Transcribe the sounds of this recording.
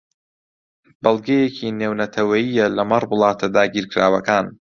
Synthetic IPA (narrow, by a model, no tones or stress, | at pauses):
bɐlˠɡejecʰineːwnɐt̪ʰɐwɐjijːɐlɐmɐrˤbɨlˠɑːt̪ʰɐd̪aːɡiːɾkɾaːwɐkaːn